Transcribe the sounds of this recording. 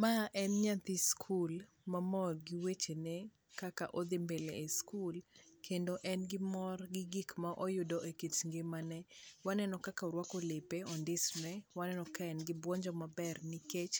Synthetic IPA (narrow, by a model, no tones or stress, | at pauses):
maʔɛnɲat̪iskʰul | mamɔrɡiwet͡ʃene | kakaʔod̪ɪmbeleeskulkʰendoʔɛnɡɪmɔrɡɪɡikmaʔojʊdɔʔekit͡ʃŋɡemanɛwanɛnɔkakaɾwakolepeɔndɪsnɛwanɛnɔkaɛnɡɪbwɔɲd͡ʒɔmabɛrniket͡ʃ